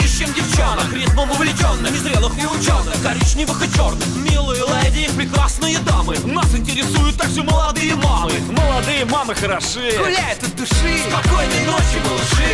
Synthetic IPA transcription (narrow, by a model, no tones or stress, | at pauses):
ɪt͡ɕːemdʲɪft͡ɕanəkɾʲeznəmʊvlʲɪt͡ɕo̞nːɨmʲɪzɾʲelˠɨxɪʊt͡ɕonɨxɡɐɾʲit͡ɕnʲɪvɨxɨt͡ɕo̞rnɨxmʲilˠɨjəlˠadʲejɪxpɾʲɪkrasnɨjəd̪amɨ | nasɪnʲtʲɪɾʲɪsujʊt̪ːaɡʐɨməlˠɐd̪ɨjəmamɨməlˠɐd̪ɨjəmamɨxəɾɐʂɨjəʊlʲaɛt̪əd̪ʊʂɨkɐkojnʲɪnʲot͡ɕɪbɐlˠʂɨ